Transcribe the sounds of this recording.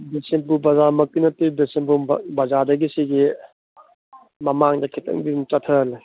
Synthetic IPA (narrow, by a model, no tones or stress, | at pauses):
bisen̚bubɐzamɐkinɐtibisenbubɐzadɐɡisiɡi | mɐmaŋdɐkʰitɐ̰ŋbit͡ʃɐtʰɐl